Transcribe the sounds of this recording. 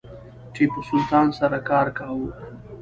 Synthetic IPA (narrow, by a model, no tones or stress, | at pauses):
t͡ʃepəsʊlt̪ɑːnsaɾakɑːɾkawu